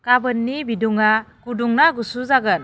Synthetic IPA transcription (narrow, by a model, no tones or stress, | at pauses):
kabɯnːibiduŋaɡuduŋnaɡusuzaɡən̚